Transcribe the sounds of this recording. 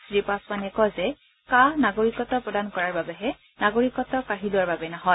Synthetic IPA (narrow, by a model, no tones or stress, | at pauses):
tɹipasmanɛkɔzɛ | kanaɡoɹikɔtɔpɹɔdankɔɹaɹbabɛɦɛ | naɡoɹikɔtɔkaɦilʊwaɹbabɛnɔɦɔj